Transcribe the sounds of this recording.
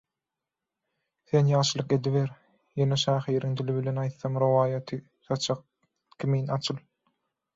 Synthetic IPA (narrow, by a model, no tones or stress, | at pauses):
θe̞njɑːʃɯlˠɯqe̞d̪iβeɾ | jeneʃæːχiːɾiŋd̪iliβile̞nɑjt̪θɑmɾowɑːjɑt̪ʰɯ | sɑt͡ʃʰɑq̚ | kʲʰimiːnɑt͡ʃʰɯlˠ